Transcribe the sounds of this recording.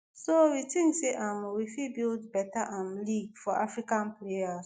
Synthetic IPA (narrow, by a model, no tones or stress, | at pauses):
sowitĩŋkseʔãmwifibildbɛtaʔãmliɡfɔʔafɹikãnplejas